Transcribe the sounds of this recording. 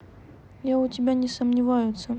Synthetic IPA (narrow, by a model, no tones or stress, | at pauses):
jaʊtʲɪbʲanʲɪsəmnʲɪvajʊt̪sə